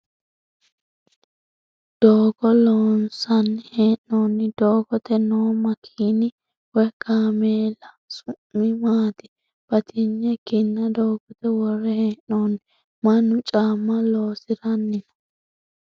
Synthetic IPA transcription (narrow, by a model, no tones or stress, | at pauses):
d̪̥oːɡɔloːnsɐnːɪheːnːoːnːɪd̪̥oːɡɔt̪ɛnoːmɐkʰiːnɪ | wɛkaːmeːlɐ | sʊmːɪmaːt̪ɪ̥ | b̥ɐt̪ʰɪɲːɛɡɪnːɐd̪oːɡɔt̪ɛwɔrɛheːnːoːnɪ | mɐnːʊt͡ʃʼaːmːɐlo̞ːsɪɾɐnːɪnɐ̥